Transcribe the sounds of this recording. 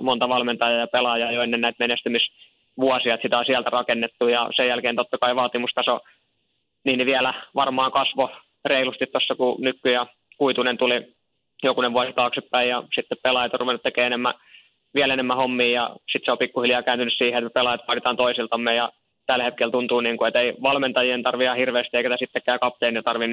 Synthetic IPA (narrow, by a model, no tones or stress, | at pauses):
mont̪ɑʋɑlment̪ɑjɑjɑpelɑjɑːjoenːennæit̪menest̪ymis | ʋuɑsiɑt̪sit̪æosiælt̪ærɑkenːet̪ːujɑ̰sejælkeint̪ot̪ːɑkɑiʋɑːt̪imust̪ɑso | niːniʋiælæʋɑrmɑːŋkɑsʋo | reilust̪it̪tosːɑkunykːyjæ | kuit̪unent̪uli | jokuneʋʋuɑsit̪ɑːksipːæijɑsit̪ːeppelɑjɑt̪ɑruʋenːut̪ːekeːenemːæ | ʋiælenemːæhomːiːjɑ̰sit̪seopikːuhiljɑːkæːnt̪ynːyssiːheet̪mæpelɑjɑt̪ʋɑːnit̪ɑːnt̪oisilt̪ɑmːejɑ | t̪ælhet̪kelt̪unt̪uːniːŋkuet̪eiʋɑlment̪ɑjient̪ɑrʋiɑhirʋeːˑst̪ieˑikæt̪æsit̪ːekːˑæːkɑp̚t̪eˑinit̪ɑrʋin